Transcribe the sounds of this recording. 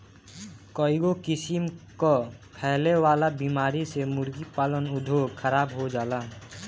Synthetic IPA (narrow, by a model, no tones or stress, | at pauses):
kɔːɪɡokɪsɪmkopʰɛɦlewaːlabimaːɾisemʊɾɡipaːlənʊd̪ʱoːɡxʰəɾaːbɦod͡ʒaːlaː